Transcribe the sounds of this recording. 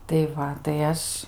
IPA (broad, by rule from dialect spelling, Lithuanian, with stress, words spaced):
tɐɪ ˈʋɐ tɐɪ ˈɐʃ